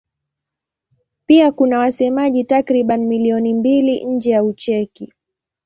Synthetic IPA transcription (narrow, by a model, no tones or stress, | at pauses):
piakunawasɛmaʄitakɾiɓanimiliɔnimbiliʔɲ̩d͡ʒɛjaut͡ʃɛki